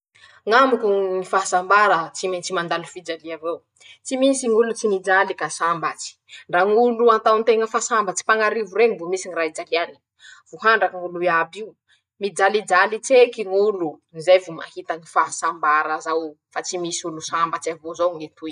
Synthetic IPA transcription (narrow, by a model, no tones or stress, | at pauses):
ŋamukunifaɦasambaɾət͡siment͡simand̪alifid͡ʒaliavew | t͡simisiŋulut͡sinid͡zalikasambat͡si̥ɳɖ͡ʐaŋuluant̪awnt̪eŋəfasambat͡si̥paŋaɾivuɾeŋivomisiŋiraɦid͡zakiani̥ | v̥uhaɳɖ͡ʐakiŋulueabiu | mid͡zalid͡ʒalit͡sekiŋulunizejvuma̰hit̪ənifaɦasambaɾəzaw | fat͡simisiulusambat͡siavozoŋet̪uj